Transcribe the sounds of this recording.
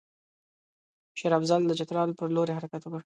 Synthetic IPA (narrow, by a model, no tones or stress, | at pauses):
ʃeɾɑfzald̪əd͡ʒat̪ɾɑlpəɾloɾeɦaɾakat̪wokəɽ